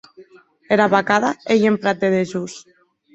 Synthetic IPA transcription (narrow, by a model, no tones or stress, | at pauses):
eɾaβakaðaejempɾat̪̚d̪eðeʒus